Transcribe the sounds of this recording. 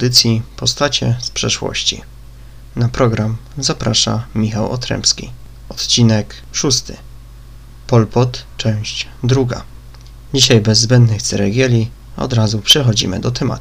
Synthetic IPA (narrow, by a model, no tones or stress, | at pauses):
d̪ɘt̪sʲjipɔst̪at͡ɕɛspʂɛʂwɔ̰ɕt͡ɕḭ | napɾɔɡɾamzapɾaʂa̰mʲixawɔ̰t̪ɾɛ̰mpskʲḭ | ɔt̪t͡ɕinɛk | ʂust̪ɘ̰ | pɔlpɔt̪t͡ʂɛ̃w̃ɕt͡ɕ | d̪ɾuɡa̰ | d͡ʑiɕajbɛzːbɛnd̪nɘxt̪sɛɾɛɡʲjɛlʲi | ɔ̰d̪ɾazupʂɛxɔd͡ʑḭmɘ̰d̪ɔt̪ɛma̰t̪u̥